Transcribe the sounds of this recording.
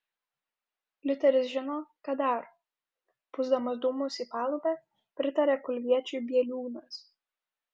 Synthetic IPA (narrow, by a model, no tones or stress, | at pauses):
lʲʊt̪ʲɛɾʲɪsʒʲɪnoːkɑd̪ɐˑɾ | pʊzd̪ɐmɐsd̪uːmʊsiːpɑːlˠʊːbʲɛː | pʲɾʲɪt̪ɐɾʲeːkʊlʲʋʲiɛt͡ʃʲʊːbʲiɛlʲuːnɐs